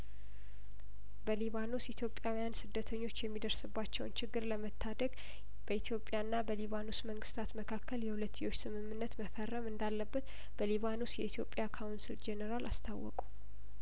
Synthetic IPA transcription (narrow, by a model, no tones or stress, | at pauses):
bəliβanusit̪ʰjo̞pʼːjawijansɨd̪ːət̪ʰəɲːo̞t͡ʃːjɛmːid̪əɾsɨbːat͡ʃːɛwnt͡ʃɪɡːɨɾləmət̪ʰːad̪əɡ | b̥əit̪ʰjo̞pʼːjaɨnːabəliβanusməŋɡɨst̪ʰat̪məkʰakʰːəljɛhulət̪ʰːjo̞t͡ʃːsɨmɨmːɨnːət̪məfərːəmɨnd̪alːəbːət̪ | b̥əliβanusjɛit̪ʰjo̞pʼːjakʰawnsild͡ʒenəɾala̰st̪ʰawːɔ̰kʼu